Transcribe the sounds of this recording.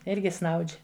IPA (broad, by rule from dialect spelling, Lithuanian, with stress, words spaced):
ˈɪrʲɡʲɪ snɐʊt͡ʃʲ